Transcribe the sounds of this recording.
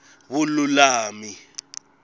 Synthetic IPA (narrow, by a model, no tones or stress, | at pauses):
βululaːmi